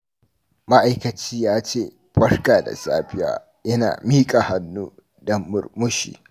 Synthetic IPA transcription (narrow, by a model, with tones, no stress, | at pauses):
ma˦ʔa˨jkɐ˨t͡ʃiː˦jaː˦t͡ʃeː˦˨ | ɸɐ˦rkaː˨da̰˨sa̰ː˦ɸɪ˦ja̰ː˨˦ | jɐ˦na̰ː˨miː˦kʼa˨ha˨nːuː˦ | dɐ˦mːʊ˨rmʊ˦ʃḭː˨